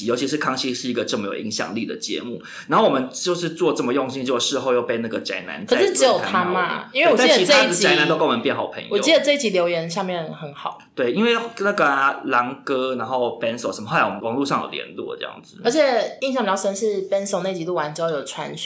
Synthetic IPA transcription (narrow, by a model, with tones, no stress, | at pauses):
jo˧˥ʊt͡ɕʰi˧ʂɻ̩˥˧kʰɑ˥ŋt͡ɕʰi˥ʂɻ̩˥˩i˧˥ɡə˨ʈ͡ʂə˥˩mə˩jo˨˩ḭ˧˥ŋɕjɑ̰˨˩ŋli˥˩d̪ə̰˩t͡ɕjɛ̰˧˦mu˥˩ | na˧˥nxo˥˩wɔ˨˩mə˦nt͡ɕjʊʂɻ̩˥˧t͡swɔ˥˧ʈ͡ʂə˥˩mə˩jɔ˥˧ŋɕi˥˧nt͡ɕo˥˧ʊ˥ʂɻ̩˥˧xo˥˧ʊjo˥˧ʊpe˥˧ɪna˥˩ɡə˩t͡sa̰˧˥ɪna̰˧˦nt͡sʂɻ̩˥˩ʈ͡ʂ̩˧˥jo˨˩ʊ˥t̪ʰa˦˥ma̰˧i˥nwe˩wɔ˩˧t͡ɕi˥˩˥t͡ɕːəi˧˥ʈ͡ʂə˥˧˥i˥t͡ɕa˧˥ɪ˥na˧˦no˥ʊkə˥˧wmə˨˦pjɛ˥˩nxɑ˨˩ʊpʰə̰˧˦ŋjwɔ˨o̰˥˦t͡ɕi˥˩d̪ə˩ʈ͡ʂɤ˥˧i˥t͡ɕi˧˥ljo˧˥ʊjɛ˧˥nɕja˥˧mjɛ˥˩nxə˨˦nxɑ˨˩˦ʊt̪we˥˩ɪi˥nwe˥˩ɪna˥˩ɡə˩la˧˥ŋkɤ˥na˧˥nxo˥˩ʊpɛ˥˦nso˨ʊə˧˦mə˧˥˩la˧˥wɔ˨˩m˦˧wɑ˨˦ŋlu˥˧ʂɑ˥ŋjo̰˨˩ʊljɛ̰˧˥nt̪wɔ̰˥˧˩ʈ͡ʂɤ̰˥˩jɑ̰˥˩ŋd͡z̩˨˩ə˧˥t͡ɕʰjɛ˨˩i˥˧ŋɕ̬ɑ˥˩ŋpə˥nʂɻ̩˥˩pɛ˥nso˨˩ʊne˥˩ɪt͡ɕi˧˥lu˥˩wa˧˦nt͡ɕ̩˧˥˧jo˨˩ʈ͡ʂʰwa̰˧˦n